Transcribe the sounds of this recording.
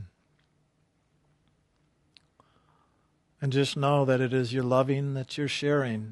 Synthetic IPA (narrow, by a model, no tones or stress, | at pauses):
ɨ̃nd͡ʒʌstⁿnoʊðɨɾɨɾɪzjə˞lʌvɪ̃ŋðɨt͡ʃə˞ʃɛɹɪ̃ŋ